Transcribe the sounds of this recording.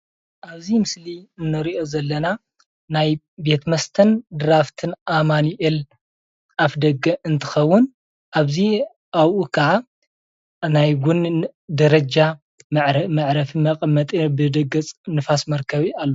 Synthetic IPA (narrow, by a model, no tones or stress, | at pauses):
ʔaβzimɨsliɨnːɐɾiʔo̞zɐlːɐna | naj | be̞t̪mɐst̪ʰɐnd̪ɨɾaft̪ʰɨnʔamaniʔel | ʔafd̪ɐɡːɐʔɨnt̪ʰɨ̥xɐwːʊn | ʔaβzi | ʔawʔukʰɐʕa | najɡund̪ɐɾɐd͡ʒa | ʕɾmɐʕɾɐfimɐkʼmːɐt̪ʼibɨd̪ɐɡɐt͡sʼnɨfasmɐɾkʰɐβialːo